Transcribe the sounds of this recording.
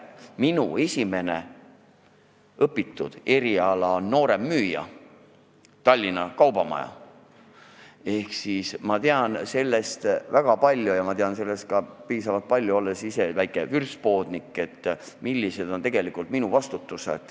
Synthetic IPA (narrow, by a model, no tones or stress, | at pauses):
minue̞sʲime̞nḛ | ɤpːˑit̪ːˑud̪̥e̞ɾiɑlɑno̞ːɾe̞mːyːjɑ̰ | t̪ɑlʲːinɑkɑwbɑmɑ̰jɑ̰ | e̞hksismɑt̪eɑnse̞lːe̞st̪væɡ̥ɑpɑlʲːjujɑmɑt̪e̞ɑnse̞lːe̞st̪̚kɑpiːsɑvɑlt̪̚pɑlʲːjuo̞lːesise̞væjkːˑe̞vyrspo̞ːd̪̥nikːˑe̞t̪ːmilʲːise̞d̪o̞nt̪e̞ɡ̥e̞likˑult̪̚minuvɑst̪ut̪ːˑusḛd̪̥